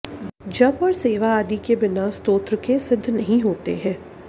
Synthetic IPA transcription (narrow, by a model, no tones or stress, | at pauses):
d͡ʒɐbɔːɾseːʋaaːd̪ikebɪnaːst̪oːt̪ɾəkesɪd̪ʱːnɐɦĩɦoːt̪ḛɦɛ̃ː